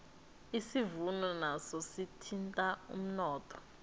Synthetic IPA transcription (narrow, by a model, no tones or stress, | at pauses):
isivunɔnasɔsitʰintʼaṵm̩nɔːtʰɔ̥